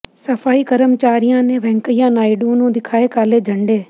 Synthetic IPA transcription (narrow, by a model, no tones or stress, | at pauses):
səfʰaːiːkəɾəmt͡ʃaːɾɪjãːnẽːʋɛ̃ːŋkəɪjãːnaːiɖuːnũːd̪ɪkʰaːeːkaːleːd͡ʒʱəɳɖeː